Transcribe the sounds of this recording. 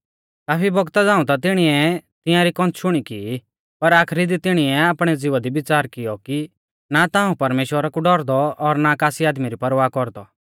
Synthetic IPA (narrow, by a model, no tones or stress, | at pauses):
kaːpʰibɔɡt̪ad͡zãːũt̪at̪̬ɪɽ̃iɛt̪ɪ̃jãɾikɔ̃nt͡sʃʊɽ̃iki | pɐɾaːkʰɾid̪it̪ɪɽ̃iɛaːpɽ̃ɛd͡zɪʋad̪ibɪt͡saːɾkɪjɔki | nat̪ãːũpɐɾmeːʃwəɾakuɖɔɾd̪ɔɔɾnakaːsiaːd̪miɾipɐɾʋaːkɔɾd̪ɔ